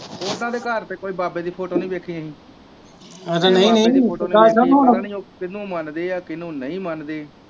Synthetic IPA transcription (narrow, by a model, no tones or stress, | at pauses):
oːd̪ãːd̪eːkəɾt̪eːkoːiːbaːbeːd̪iːpʰoːʈoːnəĩːbeːkʰiãːɦĩː | əd͡ʒanəĩːnəĩːnaːt͡ʃonɦoːnnːokɪnũːmənd̪eːaːkɪnũːnəĩːmənd̪eː